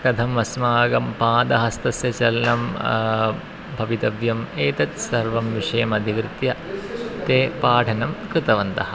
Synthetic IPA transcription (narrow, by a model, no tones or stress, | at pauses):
kɐd̪ʱɐmʋɐsmaːɡɐmpãːd̪ɐɦɐst̪ɐsjɐt͡ʃɐlɐnɐm | bʱɐʋit̪ɐʋjɐmeːt̪ɐt̪sɐɾʋɐmʋiʂɐjɐmɐd̪ʱikɾɨt̪jɐt̪eːpaːʈʰɐnɐmkɾɪt̪ɐʋɐnt̪ɐɦɐ̆